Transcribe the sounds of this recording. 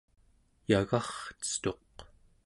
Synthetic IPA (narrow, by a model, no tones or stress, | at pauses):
jaɣɑχt͡sə̥t̪o̞q